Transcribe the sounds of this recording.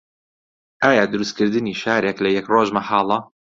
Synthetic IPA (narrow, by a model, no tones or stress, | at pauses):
ʔaːjaːd̪ʊɾust̪kʰɨɾd̪ɨniːʃaːɾeklɐjɛkroʒmɐħɑːlˠɐ